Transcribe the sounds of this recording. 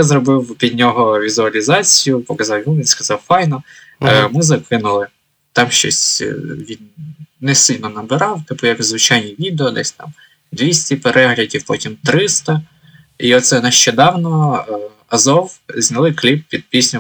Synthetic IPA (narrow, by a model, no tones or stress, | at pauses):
azɾɔbɪwpʲid̪ʲnʲɔɦɔʋʲizʊɐlʲizɑt͡sʲijʊpɔkɐzɑwjuʋʲinskɐzɑwfɑjnɔ | mɪzɐkɪnʊlˠɪ | t̪ɑmʃt͡ʃɔ̰sʲʋʲinnɛsɪlʲnɔnɐbɪɾɑwt̪ɪp̪̚ʊjɐkzʋɪt͡ʃɑjnʲiʋʲid̪eɔd̪ɛsʲt̪ɑ̰m | d̪ʋʲisʲtʲipeɾʔɛɦlʲɐdʲiwpɔtʲimt̪ɾɪst̪ɐ | iɔt̪sɛnɐʃt͡ʃɛd̪ɑwnɔ | ɐzɔwzʲnʲɐlˠɪklʲip̚pʲid̪̚pʲisʲnʲʊ